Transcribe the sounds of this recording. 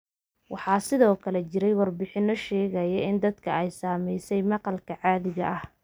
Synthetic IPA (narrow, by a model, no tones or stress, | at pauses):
wɑħɑːsɪðɔːkʰɐlɛt͡ʃɪɾɛjwɑrbɪħɪnɔʃɛːɣɐjɐɪnd̪ɐd̪kʰɐɛjsaːmɛjsɛjmɑqɑlkʰɐʕɑːðɪɣɐ̰ʔɐh